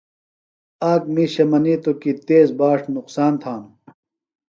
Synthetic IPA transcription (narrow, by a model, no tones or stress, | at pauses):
aːk̚miːɕɐmɐniːt̪okit̪eːzbaːʂnuqsaːnt̪ʰaːn